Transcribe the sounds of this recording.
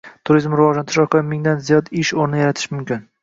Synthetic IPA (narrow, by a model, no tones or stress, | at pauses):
t̪ʰʊɾizmɾɪvɒʒant̪ʰɪʃɒɾqʰɑɪmɪŋd̪anzijɒd̪ɪʃoɾnɪjaɾat̪ʰɪ̥ʃmʊmkʲɪn